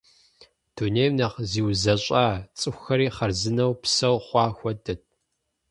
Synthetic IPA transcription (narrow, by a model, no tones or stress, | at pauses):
d̥uneːmnɐʁziːwzɐɕʼaːt͡sʼɨxʷxɐɾiːχɐrzɨnɐwpsɐwχʷɑːxʷɔdɐt̚ʰ